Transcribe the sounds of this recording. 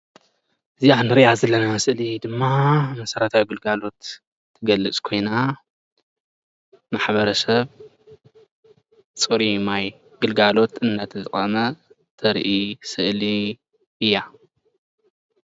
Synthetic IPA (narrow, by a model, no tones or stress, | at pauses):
ʔɨziʕandɨɾiʔazɐlːɐnasɨʔlid̪ɨmːamɐsɐɾɐt̪ʰawiɡɨlɡalo̞t̪ʰː | ɨɡɐlːɨt͡sʼkʰo̞jna | maħβɐɾɐsɐβ | t͡sʼɨɾimaj | ɡ̥ɨlɡalo̞t̪ɨnːɐt̪ʰɨzɨkʼɐmɐ | t̪ʰɐɾʔisɨʔli | ʔɨjːa